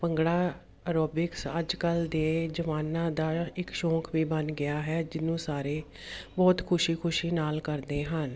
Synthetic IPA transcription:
pəŋɡɽaː | ɾoːbɪksəd͡ʒkəld̪eːd͡ʒəʋaːnãːd̪aːɪkʃɔ̃ːkʰʋiːbənɡɪaːɦɛːd͡ʒɪnũːsaːɾeː | bɔːt̪kʰʊʃiːkʰʊʃiːnaːlkəɾd̪eːɦən

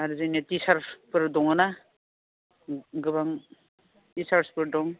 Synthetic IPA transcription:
aɾzɯjnetisaɾspɯɾdɔŋana | ɡɯbaŋ | tisaɾspɯɾdɔŋ

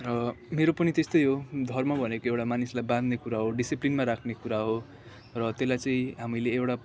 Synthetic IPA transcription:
rʌmeɾopʌnit̪est̪ojɦod̪ʱʌrmabʱʌnekoewʈamanislajbãd̪nekuɾaɦoɖisiplinmaɾakʰnekuɾaɦo | rʌt̪elajt͡sʌĩɦamileːwʈa

